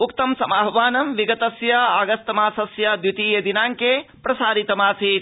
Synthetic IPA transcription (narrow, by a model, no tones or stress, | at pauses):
ukt̪ɐmsɐmaːɦʋaːnɐmʋiɡɐt̪ɐsjɐaːɡɐst̪ɐmaːsɐsjɐd̪jut̪iːjɐd̪inaːŋke | pɾɐsaːɾit̪ɐmaːsi